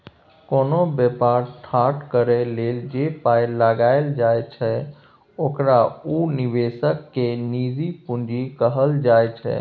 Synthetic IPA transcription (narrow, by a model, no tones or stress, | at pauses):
koːnobjəpaɾʈʰaɾʈkəɾɛleːld͡ʒepajlaɡaɪld͡ʒajt͡ʃʰɛ | oːkɾauniʋesəkːenid͡ʒipũnd͡ʒikəɦəld͡ʒajt͡ʃʰɛ̰